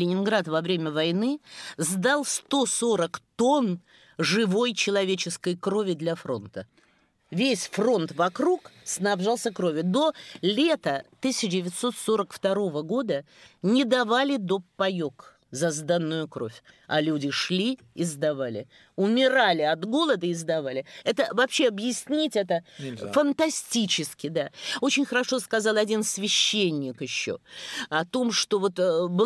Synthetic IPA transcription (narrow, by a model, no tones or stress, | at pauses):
lʲɪnʲɪnɡɾat̪vɐvɾʲemʲəvɐjnɨzd̪alˠst̪o̞so̞ɾəkt̪o̞n | ʐɨvo̞jt͡ɕɪlˠɐvʲet͡ɕɪskəjkɾo̞vʲɪd̪lʲɐfɾo̞̰nt̪ə | vʲesʲfro̞nt̪vɐkɾuksnɐbʐalˠsʲəkɾo̞vʲɪd̪o̞lʲe̞t̪ət̪ɨsʲɪt͡ɕɪdʲɪvʲɪt̪so̞t̪so̞ɾəkft̪ɐɾo̞vəɡo̞d̪ə | nʲɪd̪ɐvalʲɪd̪o̞pːɐjo̞k | zɐzd̪anːʊjʊkɾo̞̰fʲ | ɐlʲudʲɪʂlʲi | ɪzd̪ɐvalʲɪ̰ | ʊmʲɪɾalʲɪɐd̪ɡo̞lˠəd̪əɪzd̪ɐvalʲɪɛt̪əvɐpɕːe̞ɐbjɪsʲnʲitʲɛt̪əfənt̪ɐsʲtʲit͡ɕɪskʲɪd̪ao̞t͡ɕɪnʲxəɾɐʂo̞skɐzɑlˠɐdʲinsvʲɪɕːenʲːɪkjɪɕːo̞̰ɐt̪o̞mʂt̪o̞vo̞t̪bɨ